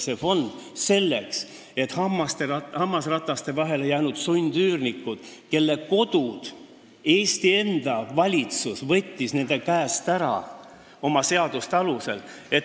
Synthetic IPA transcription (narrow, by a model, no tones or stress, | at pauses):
se̞fo̞nd̪̥se̞lːe̞ks | e̞t̪ːhɑmːɑst̪eɑhɑmːɑsrɑt̪ːɑst̪e̞vɑɦe̞lejæːnud̪̥sunʲd̪̥yːrnikːˑud̪̥ke̞lːe̞ko̞d̪̥ud̪̥ | e̞ːst̪ie̞nd̪̥ɑvɑlʲit̪susvɤ̞t̪ʲːisne̞nd̪̥e̞kæːst̪æɾɑ̰ | o̞mɑse̞ɑd̪̥ust̪eɑluse̞̰l | e̞t̪